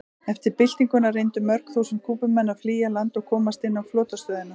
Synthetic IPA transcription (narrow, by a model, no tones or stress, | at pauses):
ɛft̪ɪɾpɪl̥t̪iŋkʏnarejnt̪ʏmœɾ̥kθuːsɪnkʰuːpʏmɛnːafliːjalant̪ɔɣkʰɔːmast̪ɪnːawflɔːt̪ast̪œːðɪna